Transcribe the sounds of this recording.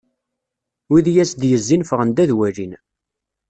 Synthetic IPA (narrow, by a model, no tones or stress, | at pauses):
wiðjæsd̪jəzːinfəʁənd̪æðwæɾin